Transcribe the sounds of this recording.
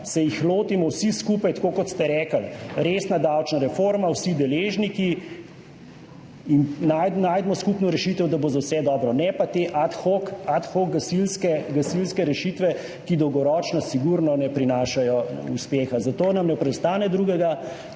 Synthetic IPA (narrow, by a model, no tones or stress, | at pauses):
sɛjixloːt̪imɔwsiskupajt̪akoːkɔt̪st̪ɛɾɛːkəlɾeːsnad̪awt͡ʃnaɾɛfoɾmawsid̪ɛleːʒniki | innajnajd̪mɔskupnɔɾɛʃit̪ɛwd̪abozawsɛd̪ɔːbɾɔnɛpat̪eʔat̪xokat̪xoɡɡasilskɛɡasilskɛɾɛʃit̪ʋɛ | kid̪ɔwɡɔɾɔːt͡ʃnɔsiɡuɾnɔnɛpɾinaːʃajɔṵspeːxazat̪oːnamnɛpɾɛd̪st̪aːnɛd̪ɾuːɡɛɡa